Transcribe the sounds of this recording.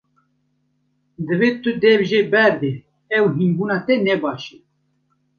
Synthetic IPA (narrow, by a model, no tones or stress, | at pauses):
d̪əveːt̪ɨd̪ɛvʒeːbɛɾd̪e | ɛwɦinbuːnɑːt̪ɛnɛbɑːʃe